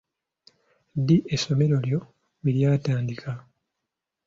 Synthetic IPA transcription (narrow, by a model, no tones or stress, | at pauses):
diʔeso̞me̞ɾo̞ljo̞ | βiljaːtaːndikʰa